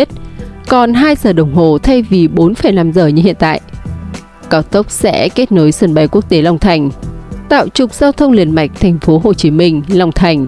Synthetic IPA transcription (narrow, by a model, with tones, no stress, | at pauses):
t̚kɔ˨˩nɦaː˧jzəː˨˩ɗə˨˩wŋ͡mɦo˨˩t̪ʰə˧jvi˨˩ɓo˨˦nfə˨˩jna˨˧˦mzəː˨˩ɲɨ˧hḭ˧˨ənt̪a̰ː˧˨jʔ | kaː˨˦wt̪ə˦˥wk͡p̚sɛ̰˧˥ke˦˥t̚no˨˦jsə˨˧˩nɓa˨˩jku˦˥ək̚t̪e˨˦la˨˧wŋ͡mt̪ʰa˨˩jŋ̟t̪a̰ː˧˨wt͡ɕʊ˨˩k͡p̚z̥aː˧wt̪ʰə˧wŋ͡mli˨˩ənma̰˧˩jk̟̚t̪ʰa˨˩jŋ̟fo˨˦ɦo˨˩t͡ɕi˨˦mï˧ŋ̟la˨˧˩wŋ͡mt̪ʰa˨˩jŋ̟